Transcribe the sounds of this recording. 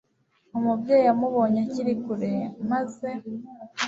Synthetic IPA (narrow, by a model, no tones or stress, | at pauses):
umubɟeːjjamuβo̞ːɲaciɾikuɾemaze̞